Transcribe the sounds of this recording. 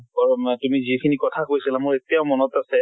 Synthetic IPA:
ɔɹɔtumizikʰinikɔtʰakojsilamʊɹetijaʊmɔnɔtasɛ

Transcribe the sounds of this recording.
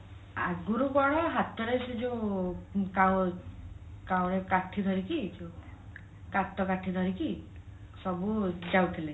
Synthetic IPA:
a̰ɡuɾukɔɽ̃ɔɦat̪ɔɾejsid͡ʒu | kaw | kawɾekaʈʰid̪ʱɔɾikid͡ʒu | kat̪ɔkaʈʰid̪ʱɔɾiki | sɔbud͡ʒawt̪ʰile

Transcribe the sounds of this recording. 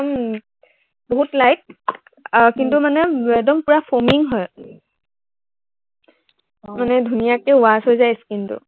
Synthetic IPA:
ɔm | boɦutlajt̚ | kintumanɛɛdɔmpʊɹapʰɔmiŋɦɔj | manɛdʱunijakɛʊasojzajskintʊ̰

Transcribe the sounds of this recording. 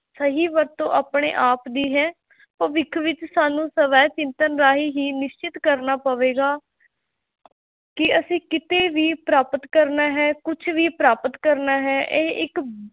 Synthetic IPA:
səɦiːʋəɾt̪õːʔaːpɳḛːʔaːpd̪iːɦɛː | pəʋɪkʰʋɪt͡ʃsaːnũːsəʋɛːt͡ʃɪ̃nt̪ənɾaːɦiːɦiːnɪʃt͡ʃɪt̪kəɾnaːpəʋeːɡaː | kɪəsĩːkɪt̪eːʋiːpɾaːpət̪kəɾnaːɦɛːkʊt͡ʃʰʋiːpɾaːpət̪kəɾnaːɦɛːʔeːɪk

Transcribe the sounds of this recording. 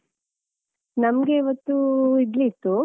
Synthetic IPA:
nɐmɡe̞iʋɐt̪ːuid̪lit̪ːu

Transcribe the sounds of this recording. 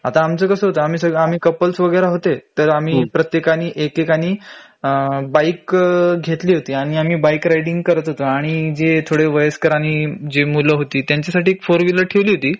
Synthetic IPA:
at̪aːmt͡səːkəsəːɦot̪əam̤iːsəɡam̤iːkəpəlt͡sʋəɡɭəɾaɦot̪et̪əɾam̤iːpɾət̪jekañiːʔekekañiː | baikɡʱet̪liːɦot̪iːaɽ̃iam̤iːbaikɾajɽiŋɡkəɾət̪ɦot̪əaɽ̃id͡zet̪ʰoɽeʋəjəskəɾaɽ̃iːd͡ʑemuləɦot̪iːt̪jaɲt͡ɕasaʈiːkfoɾʋiləʈʰeʋliːɦot̪iː

